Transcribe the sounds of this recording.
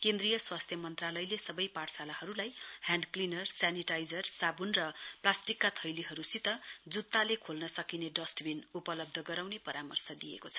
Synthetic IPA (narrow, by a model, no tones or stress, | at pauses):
kend̪rijʌswast̪ʰjʌmʌnt̪ralʌjlesʌbʌjpaʈsalaɦʌɾulajhjanɖklinʌrsaniʈajd͡zʌrsabunrʌplasʈikːat̪ʰʌjliɦʌɾusit̪ʌd͡zut̪ːalekʰolnʌsʌkineɖʌsʈbʱinupʌlʌb̚d̪ʱʌɡʌɾawnepʌɾamʌrsʌd̪ijḛkot͡sʰʌ̥